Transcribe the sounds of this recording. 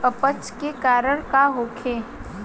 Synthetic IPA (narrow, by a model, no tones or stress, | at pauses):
əpət͡ʃkekaːɾəɽ̃kaɦoːkʰeː